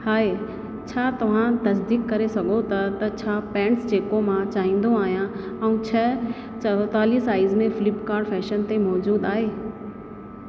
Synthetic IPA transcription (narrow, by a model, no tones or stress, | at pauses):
haːɦeː | t͡ɕʰaːt̪ɐʋ̤ãt̪ɐsd̪iːkːɐɾesɐɡʱot̪ɐt̪ɐt͡ɕʰaːpɛ̃ːɳʈsd͡ʑeːkomãt͡ɕaːɦĩːn̆d̪oaːɦijãɛ̃ũt͡ɕʰɐ | t͡ɕɐt̪aːliːsaːɪzmẽfɪlɪpkaːɾɖfɛːʃənt̪emɔːd͡ʑuːd̪aːɦeː